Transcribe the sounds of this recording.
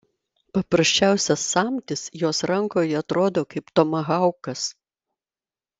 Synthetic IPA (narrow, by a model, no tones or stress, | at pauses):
pɐpɾɐsʲt͡ʃʲæˑʊsʲɛsːɑːmʲt̪ʲɪsjoːsɾɐŋkoːjɐt̪ɾoːd̪oːkɐɪpt̪omɐɣɑˑʊkɐs